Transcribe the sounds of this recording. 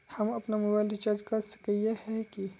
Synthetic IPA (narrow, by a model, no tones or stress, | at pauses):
hɐmɐpnamʊbajlit͡ʃɐd͡ʒkɐɾsɐ̥kəjehɛki